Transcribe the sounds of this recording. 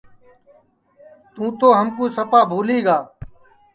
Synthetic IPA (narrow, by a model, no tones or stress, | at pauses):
t̪ũːt̪oːɦəmkũːsəpaːbʱuːliːɡaː